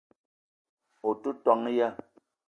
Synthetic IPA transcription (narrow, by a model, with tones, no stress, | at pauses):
o˨tu˦tɔ˨ŋ˦ja˦